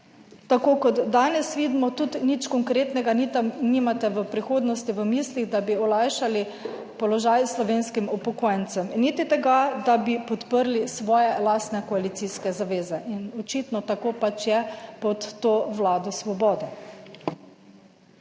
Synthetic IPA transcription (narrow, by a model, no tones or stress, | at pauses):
t̪akoːkɔd̪ːaːnɛsʋiːd̪mɔt̪ut̪nit͡ʃkɔŋkɾeːt̪nɛɡanit̪aniːmat̪ɛʋəpɾixoːd̪nɔst̪iʋəmisliɣd̪abiɔlajʃali | pɔlɔʒajslɔʋeːnskimɔpɔkoːjɛnt̪sɛmnit̪it̪ɛɡad̪abipɔt̪pəɾlisʋɔːjɛlaːst̪nɛkɔalit̪siːskɛzaʋeːzɛʔinɔt͡ʃit̪nɔt̪akopat͡ʃjɛpɔt̪ːoːʋlaːd̪ɔsʋɔbɔːd̪ɛ